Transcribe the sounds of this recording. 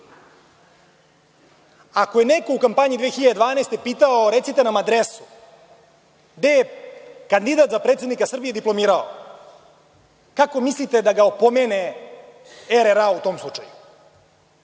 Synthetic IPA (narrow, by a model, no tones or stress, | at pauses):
akojeneko̞ukampaɲid̪ʋeːxiʎad̪ed̪ʋaːneːst̪e̞piːt̪aoɾet̪sit̪e̞namad̪ɾesu̥ | ɡd̪ejekand̪id̪at̪zapɾet̪sed̪nikasr̩bije̞d̪iplˠo̞miːɾao̰ | kako̞mislit̪e̞d̪aɡaopomeːne | eɾeɾaut̪o̞ːmslˠut͡ʃa̰ju